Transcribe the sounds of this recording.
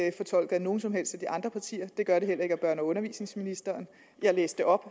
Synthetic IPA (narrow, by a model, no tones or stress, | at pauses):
fɒ̽t͡sʰɒ̽l̰ɡ̥ð̩ˠno̝ːn̩sɒ̽mɦel̰sd̥æd̥iʔɑ̈nd̥ʁɐpʰɑ̈t͡sʰḭːɐd̥e̝ɡ̥ɶɐɾ̥e̝ɦel̰ɐʁe̝ɡ̥æb̥ɶɐnɐɔ̽nɐʋḭːsne̝ŋsminisd̥ɐːn | jɑ̈ɪleːsd̥e̝ʔɒ̽b̥